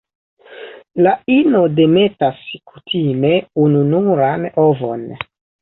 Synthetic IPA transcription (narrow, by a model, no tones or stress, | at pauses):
laino̞de̞me̞taskutʰime̞ununuɾano̞vo̞̰n